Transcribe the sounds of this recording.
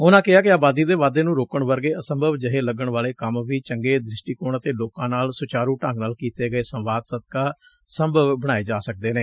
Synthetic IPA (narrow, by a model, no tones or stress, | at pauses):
ʊnãːkɪɦaːkɪaːbaːd̪iːd̪eːʋaːd̪eːnũːɾoːkəɳʋəɾɡeːəsəmbʱəʋd͡ʒəɦeːləɡəɳʋaːleːkəmʋiːt͡ʃəŋɡeːd̪ɾɪʃʈiːkoːɳət̪eːloːkãːnaːlsʊt͡ʃaːɾuːʈə̃ːŋɡnaːlkiːt̪eːɡəeːsəmʋaːd̪səd̪kaː | səmbʱəʋbəɽ̃aːeːd͡ʒaːsək̚d̪eːneː